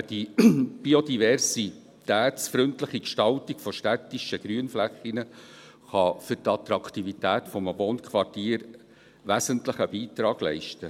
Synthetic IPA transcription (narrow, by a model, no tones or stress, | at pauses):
d̥ib̥iodivɛɾsi | t̪æːtsfɾʏntləχikʃtɑlt̪ikfɔʃtæt̪ːiʃəɡ̥ɾyənflæχːinə | χɑfʏɾtɑt̪ɾɑkt̪ivit̪æːtfɔmbonkʰʋɑrtiːɾ | ʋæsəntləχəbiːt̪ɾɑːɡ̥lɛ̰ɪʃtə